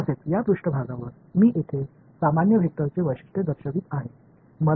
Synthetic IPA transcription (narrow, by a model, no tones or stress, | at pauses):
əset̪jad̪ɾuʂʈəbʱaɡãʋəɾ | miːʔit̪ʰe | samanjəbʱik̚t̪ːəɾt͡seʋəjʂi̥ʂʈ̪ʰed̪əɾɕəʋiːt̪aɦe | mə